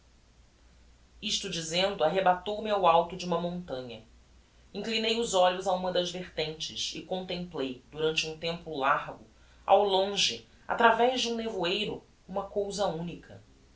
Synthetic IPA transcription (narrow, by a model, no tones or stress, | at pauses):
iʃt̪ʊd͡ʒizẽnd̪ʊaɦebat̪owmɪawawt̪ʊd͡ʒɪũmɐmõnt̪ɐ̃ɲɐ | ĩŋklinejʊzɔʎʊzaũmɐd̪ɐzveχt̪ẽnt͡ʃɪsɪkõnt̪ẽmplejd̪uɾɐ̃nt͡ʃɪũt̪ẽmpʊlaɾɡʊ | a̰wlõʒɪ | a̰t̪ɾavɛʒd͡ʒɪũnevuejɾʊ | ũmɐkowzɐũnikʰɐ̰